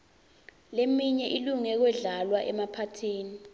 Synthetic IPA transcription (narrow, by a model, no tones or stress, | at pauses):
lemiɲɛʔiluŋɛk̬wɛɮalwaʔɛmapʰatʰiːni